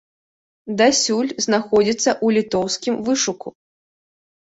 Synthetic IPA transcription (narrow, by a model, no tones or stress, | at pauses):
d̪asʲulʲznaxɔd͡zʲit̪sːɐʔulʲit̪ɔwskʲimvɨʂuku